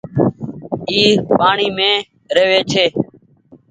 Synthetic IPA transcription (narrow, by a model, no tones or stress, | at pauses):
iːpaːɳiːmẽː | ɾeːʋeːt͡ʃʰeː